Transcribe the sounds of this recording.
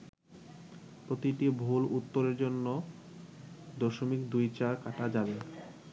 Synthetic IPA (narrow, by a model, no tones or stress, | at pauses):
pɾot̪iʈibʱulut̪ːoɾeɾd͡ʑonːo | d̪oʃomikd̪ujt͡ɕaɾkaʈad͡ʑabe